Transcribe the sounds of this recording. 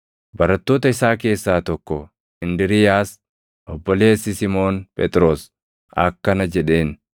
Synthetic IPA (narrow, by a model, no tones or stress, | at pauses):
bɐɾɐt̪ːoːt̪ɐɪsaːke̞ːsːaːt̪ɔkːɔ | ɪnd̪ɪɾɪjaːs | ʔɔbːɔle̞ːsːɪsɪmo̞ːnpʼɛt̪ʼɾo̞ːs | ɐ̰kːɐnɐd͡ʒɛᶑe̞ːn